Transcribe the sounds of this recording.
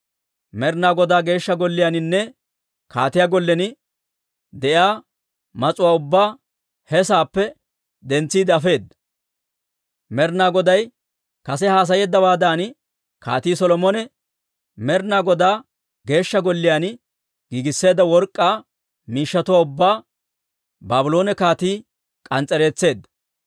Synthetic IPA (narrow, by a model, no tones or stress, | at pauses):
mɛɾnaːɡɔd̪aːɡe̞ːʃːɐɡɔlːɪjaːnɪnːɛ | kʰa̰ːt̪ɪjaːɡɔlːɛnɪ | d̪ɛʔjaː | mɐt͡sʼʊwaːʊbːaː | hɛsaːpːɛ | d̪ɛnt͡sːiːd̪ɛɐfe̞ːd̪ːɐ̥ | mɛɾnaːɡɔd̪ɐj | kɐsɛhaːs̬ɐjeːd̪ːɐbaːd̪aːn | ka̰ːt̪iːsɔlɔmɔnɛ | mɛɾnaːɡɔd̪aː | ɡe̞ːʃːɐɡɔlːɪjaːn | ɡ̥iːɡɪsːe̞ːd̪ːɐwɔɾkʼːaː | miːʃːɐt̪ʊwaːʊbːaː | baːbɪlo̞ːnɛkaːt̪iː | kʼɐnt͡sʼɛɾe̞ːt͡sːe̞ːd̪ːɐ̥